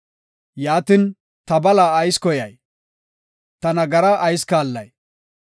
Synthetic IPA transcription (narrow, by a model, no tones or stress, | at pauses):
jaːt̪in | t̪ɐbɐlaːjskɔjɐj | t̪ɐnɐɡɐɾɐʔːjskaːlːɐ̰j